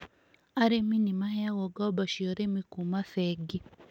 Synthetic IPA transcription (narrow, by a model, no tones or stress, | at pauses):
aɾeminimahɛaɣɔɡɔbaʃiɔɾemikumaθɛɡi